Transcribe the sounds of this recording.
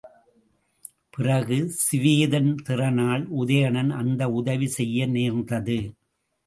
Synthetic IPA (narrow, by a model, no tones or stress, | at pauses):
pɪrɐɣɯsɪʋiːðɐnt̪ɪrɐnaːɭʊðɐjɐɳɐnɐnd̪ɐʊðɐʋisɛjːɐneːɾnd̪ɐðɯ